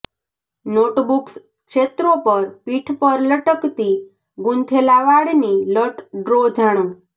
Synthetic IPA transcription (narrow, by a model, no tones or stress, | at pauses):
noʈbuks | kʃet̪ɾopəɾpiʈʰpəɾləʈəkt̪i | ɡunt̪ʰelaʋaɽniləʈɖɾod͡ʒʱaɽ̃ũ